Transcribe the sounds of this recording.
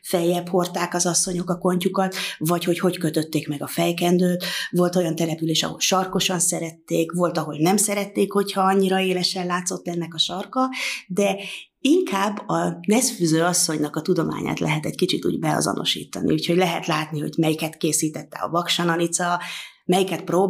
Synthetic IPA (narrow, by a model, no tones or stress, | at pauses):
fɛjːɛpho̞rt̪aːkɒzɒsːo̞ɲo̞kɒko̞ɲcukɒt̪vɒcho̞cho̞ckø̞t̪øt̪ːeːkmɛɡɒfɛjkɛnd̪øːt̪vo̞lt̪o̞jɒnt̪ɛlɛpyleːʃɒ̰ɦo̞̰lʃɒrko̞ʃɒnsɛɾɛt̪ːeːkvo̞lt̪ɒɦo̞ɟnɛmsɛɾɛt̪ːeːkho̞chɒɒɲːiɾɒeːlɛʃɛlaːt̪so̞t̪ːɛnːɛkɒʃɒrkɒd̪ɛ | iŋkaːbːɒnɛsfyzøːɒsːo̞ɲnɒkɒt̪ud̪o̞ma̰ːɲa̰ːt̪lʔɛɦɛt̪ɛckit͡ʃit̪ṵːɟbɛɒ̰zɒ̰no̞̰ʃḭːt̪ːɒ̰nḭuːcho̞ɟlɛɦɛt̪laːt̪niɦo̞̰ɟmɛjikɛt̪keːsiːt̪ɛt̪ːɛ̰ɒ̰vɒkʃɒnɒnit̪sɒmɛjikɛt̪̚proː